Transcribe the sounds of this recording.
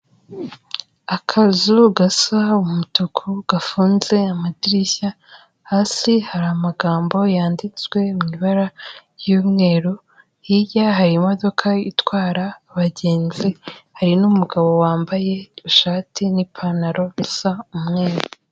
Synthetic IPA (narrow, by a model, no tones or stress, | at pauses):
akʰazuɡasaumutukʰuɡ̥afuːnze̞amadiɾiça | haːsihaɾaːmaɡaːmbo̞jaːndit͡swe̞mŋiβaɾajomŋe̞ːɾu | jijaɦaɾimo̞do̞kʰaitwaːɾaːβaɟe̞ːnzihaɾinumuɡaβo̞waːmbaje̞uʃaːtinipʰanaɾo̞βisaumŋe̞ːɾu